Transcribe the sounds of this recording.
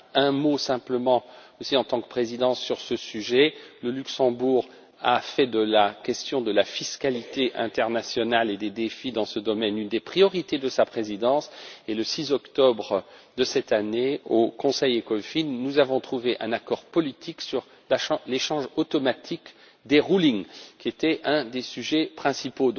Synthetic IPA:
ɛ̃mosɛ̃pləmɑ̃osiɑ̃t̪ɑ̃kəpχezid̪ɑ̃sːyʁsəsyʒɛləlyksɑ̃buʁ | afɛd̪əlakʲɛst̪jɔ̃d̪əlafiskalit̪eʔɛ̃t̪ɛʁnasjɔnaled̪ed̪efid̪ɑ̃səd̪ɔmɛnynd̪epχijɔʁit̪ed̪əsapχezid̪ɑ̃seləsizɔkt̪ɔbʁd̪əsɛt̪aneokɔ̃sɛjekɔfinːuzavɔ̃t̪χuveʔɛ̃nakɔʁpɔlit̪ʰiksyʁ | leʃɑ̃ʒot̪ɔmat̪ʰik | d̪eʁuliŋkʲiet̪ɛʔɛ̃d̪esyʒɛpχɛ̃sipo

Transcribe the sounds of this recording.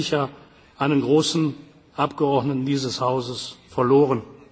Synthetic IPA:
ɪça | ʔaɪnənɡʁoːsn̩ | ʔapɡ̥əɔɐdnətn̩diːzəshaʊzəsfɛɐloːʁ̞ən

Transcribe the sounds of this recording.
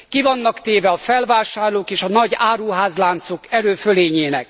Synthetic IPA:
kivɒnːɒkt̪eːvɛɒfɛlvaːʃaːrloːkeːʃɒnɒɟaːɾuɦaːzlaːnt̪sokɛɾøːføleːɲeːnɛ̰k̚

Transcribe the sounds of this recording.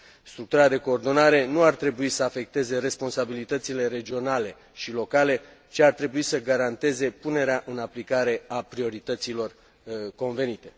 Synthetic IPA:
st̪ɾuk̚t̪uɾad̪e̞koːrd̪o̞naɾe̞nuart̪ɾe̞buisəafe̞k̚t̪e̞ze̞ɾe̞spo̞nsabilit̪ət̪sile̞ɾe̞d͡ʒio̞nale̞ | ʃilo̞kale̞ | t͡ʃiart̪ɾe̞buisəɡaɾant̪e̞ze̞pune̞ɾeaʔɨnaplikaɾe̞apɾio̞ɾit̪ət̪silo̞r | ko̞nve̞nit̪e̞

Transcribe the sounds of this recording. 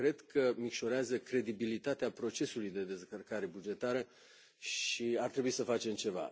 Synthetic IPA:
kɾe̞d̪kʰəmikʃo̞ɾeazəkɾe̞d̪ibilit̪at̪eapɾo̞t͡ʃe̞sulujd̪e̞d̪e̞skərkaɾe̞bud͡ʒe̞t̪aɾə | ʃiart̪ɾe̞buisəfat͡ʃe̞mt͡ʃe̞va̰

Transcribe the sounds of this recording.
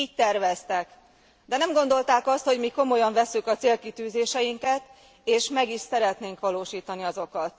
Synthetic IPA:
iːc̚t̪ɛrʋɛst̪ɛk | d̪ɛnɛmɡo̞nd̪o̞lt̪aːkɒst̪ho̞ɟmiːko̞mo̞jɒɱvɛsːykɒt̪seːlkit̪yːzeːʃɛjiŋkɛt̪ | eːʃmɛɡiʃsɛɾɛt̪neːŋkʋɒloːʃiːt̪ɒniɒzo̞kɒt̪

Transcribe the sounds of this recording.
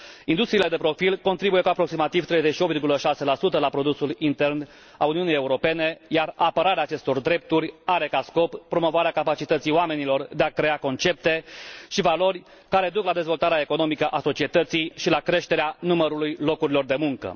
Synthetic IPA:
ind̪ust̪ɾile̞d̪e̞pɾo̞filko̞nt̪ɾibuje̞kuapɾo̞ksimat̪ivt̪ɾejzeʃiopvʲirɡuləʃase̞lasut̪əlapɾo̞d̪usulint̪e̞rn | a̰uniunijeuɾo̞pe̞ne̞jarapəɾaɾeaːt͡ʃe̞st̪o̞rd̪ɾe̞p̚t̪uɾʲaɾe̞kasko̞ppːɾo̞mo̞voaɾeakapat͡ʃit̪ət̪sijoame̞nilo̞rd̪e̞akɾe̞ako̞nt͡ʃe̞p̚t̪e̞ʃivalo̞rʲ | kaɾe̞d̪uklad̪ezvo̞lt̪aɾeaeko̞no̞mikəʔaso̞t͡ʃie̞t̪ət̪sijʃilakɾe̞ʃt̪e̞ɾeanuməɾulujlo̞kuɾilo̞rd̪e̞muŋkə̰

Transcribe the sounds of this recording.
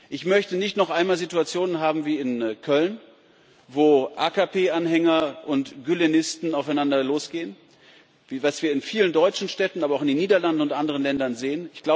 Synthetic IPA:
ʔɪçmœçtənɪçtnɔχʔaɪnmaːlzituat͡sjoːnənɦaːbm̩viːɪnkʰœln | voːʔaːkapʰeːʔanɦɛŋɐʔʊntɡ̥ylenɪstn̩aʊfaɪnandɐloːsɡ̥eːən | vvasv̥iːɐɪnfiːləndɔʏt͡ʃn̩ʃtɛtn̩ʔaːbɐaʊxɪndenːiːdɐlandn̩ʊntʔandəʁ̞ənlɛndɐnzeːənɪçɡ̥laʊ

